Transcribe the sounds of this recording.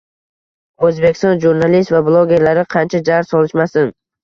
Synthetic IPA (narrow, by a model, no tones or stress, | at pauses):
ɵzbekʲɪ̥st̪ɔnʒuɾnalist̪vablˠoɡʲe̞ɾlaɾɪqʰɑnt͡ʃʰad͡ʒaɾsɒlˠɪʃmasɪn